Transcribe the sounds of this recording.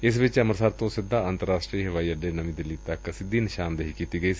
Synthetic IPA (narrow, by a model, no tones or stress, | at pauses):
ɪs̬ʋɪt͡ʃɐməɾsaɾt̪õsɪd̪ʱːaɐ̃nt̪əɾaːsʈɾiːɦɐʋaːiɐɖenɐʋĩd̪ɪlːit̪ɐkːɐsɪd̪inɪʃaːnd̪əɦikiːt̪iɡɐiːs